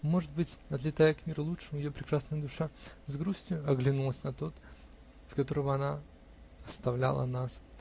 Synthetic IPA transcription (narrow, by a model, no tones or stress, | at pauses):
mo̞ʐɨd̪̚bɨtʲɐt̪lʲɪt̪ajəkmʲiɾʊlˠutʂɨmʊjɪjopɾʲɪkɾasnəjəd̪ʊʂazɡɾusʲtʲjʊɐɡlʲɪnulˠəsʲnɐt̪o̞t̪ | skɐt̪o̞ɾəvəɐna | ɐst̪ɐvlʲa̰lˠə̰nas